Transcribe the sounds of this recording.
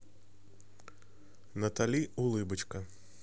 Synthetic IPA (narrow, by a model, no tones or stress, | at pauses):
nɐt̪alʲiulˠɨbɨt͡ʃkɐ